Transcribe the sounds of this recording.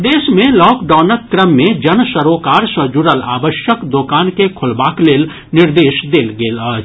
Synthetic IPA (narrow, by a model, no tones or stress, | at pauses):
d̪eːʃmẽlɔːkɖaːnət̪̚kɾəmːẽd͡ʒənsəɾoːkaːɾsə̃d͡ʒuɾəla̰ːbəʃjəkd̪oːkaːnkekʰʊlbaːkleːl | nɪɾd̪eːʃd̪eːlɡeːlaː